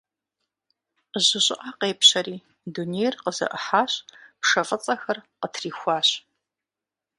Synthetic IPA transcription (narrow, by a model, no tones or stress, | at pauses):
əʑɪɕʼɪʔɐqeːpɕɐɾiː | dunejrqəzɐ̰ʔəħaːɕʼpʂɐfʼət͡sʼɐxɐrqətʰriːxʷɑːɕ